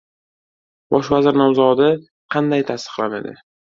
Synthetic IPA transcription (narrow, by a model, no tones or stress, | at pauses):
bɒʃvazɪɾnawzɒd̪ɪ | qʰɑnd̪ajt̪ʰast̪ɨ̥qlˠanḛd̪ɪ̰